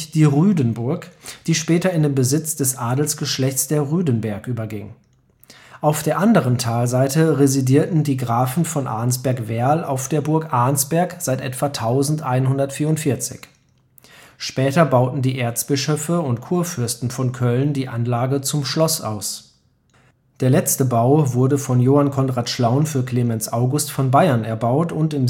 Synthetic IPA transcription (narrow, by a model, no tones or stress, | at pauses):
d̥iːʁyːdənbʊɐkd̥iːʃpɛːtɐɪndeːmbəzɪt͡sd̥ɛsʔaːdl̩sɡ̥əʃlɛçt͡sd̥eːɐʁyːdənbɛɐkʔyːbɐɡɪŋ | ʔaʊfd̥eːɐʔandəʁ̞əntʰaːlzaɪtəʁezidiːɐtn̩diːɡʁaːfn̩fɔnʔa̰ɐnsb̥ɛɐkvɛɐlʔa̰ʊfd̥eːɐbʊɐkʔaɐnsb̥ɛɐkz̥aɪtʔɛ̰tv̥atʰaʊzn̩tʔaɪnhʊndɐtfiːɐʊntfɪɐt͡sɪ̰ç | ʃpɛːtɐbaʊtn̩diːʔeːɐt͡sb̥ɪʃøfəʊntkʰuːɐfʏɐstn̩fɔnkʰœlndiːʔanlaːɡət͡sʊmʃlɔsʔa̰ʊs | d̥eːɐlɛt͡stəbaʊvʊɐdəfɔnjoːhankʰɔnʁaːtʃlaʊnfyːɐkʰl̥eːmɛnsʔaʊɡʊstfɔnbaɪɐnɛɐbaʊtʊntɪm